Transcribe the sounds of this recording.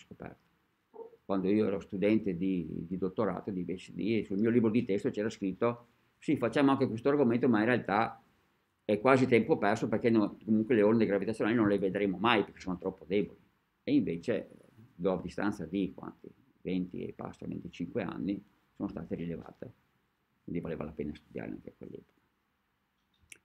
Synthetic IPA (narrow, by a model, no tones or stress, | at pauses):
sko̥pɛ̰rt̪o̥ | kwand̪oioɛ̰ɾost̪ud̪ɛnt̪ed̪id̪id̪ot̪ːoɾa̰ːt̪od̪ivet͡ʃed̪isulmiːoliːbɾod̪it̪ɛst̪ot͡ʃɛːɾaskɾit̪ːo | sifat͡ʃːaːmoaŋkekwest̪oarɡoment̪omainrealt̪a | ɛkːwaːzit̪ɛmpopɛrsoperkenokomuŋkweleond̪eɡɾavit̪at̪ːjonalinonleved̪ɾemomajperke̥soːnot̪ɾɔpːod̪eboli | eiɱvet͡ʃe | d̪ɔad̪ist̪a̰nt̪sad̪ikwa̰nt̪i | vent̪ḭḛpa̰st̪o̰vḛnt̪it͡ʃiŋkwea̰nːi | soːnost̪a̰ːt̪eɾileva̰ːt̪e | kwind̪ivaleːva̰lapeːnast̪ud̪ja̰ːɾḛa̰ŋkeakwḛlːɛ̰ːpo̥ka